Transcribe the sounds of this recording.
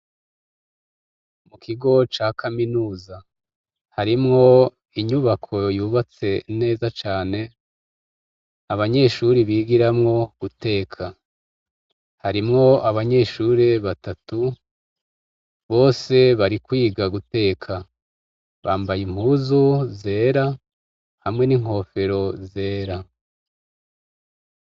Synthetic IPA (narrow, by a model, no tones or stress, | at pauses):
mukʰiɡo̞t͡ʃaːkʰaminuːza | haɾimŋo̞ | iɲuβakʰo̞juβat͡se̞ne̞ːzat͡ʃaːne̞ | aβaɲe̞ʃuɾiβiːɡiɾamŋo̞ɡ̥ute̞ːkʰa | haɾimŋo̞aβaɲe̞ʃuːɾeβatatu | βo̞ːse̞βaɾikwiːɡaɡute̞ːkʰa | βaːmbajim̥uːzuze̞ːɾa | hamŋe̞niŋ̥ho̞ːfe̞ɾo̞ze̞ːɾa